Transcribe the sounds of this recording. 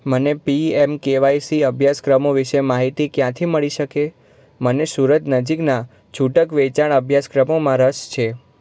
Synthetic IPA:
mənepiemkeʋajsiəbʱjaskɾəmoʋiʃemaɦit̪ikjãt̪ʰiməɭiʃəke | mənesuɾət̪nəd͡ʒikna | t͡ʃʰuʈəkʋet͡ʃaɽ̃əbʱjaskɾəmomãɾəʃt͡ʃʰe

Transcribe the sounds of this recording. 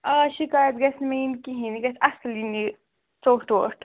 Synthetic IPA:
ɐʃikaːjɐt̪ɡɐsʰnmeinkiɦiniɡɐsɐslini | t͡soːʈoːʈ

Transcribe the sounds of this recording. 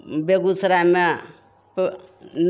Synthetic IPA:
beɡut͡sʰɾama | pn

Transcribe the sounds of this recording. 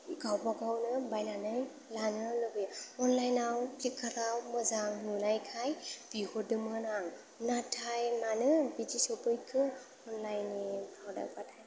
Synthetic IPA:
ɡawbaɡawnɯbajnanɯj | lanɯlɯbɯɔnlajnawkʰlikʰːaɾawmɯzaŋnunajkʰajb̥ihodɯmɯnaŋ | natʰajmanɯbid͡ʒisɔpɯjkʰɯ | ɔnlajnibʱawda̰batʰaj

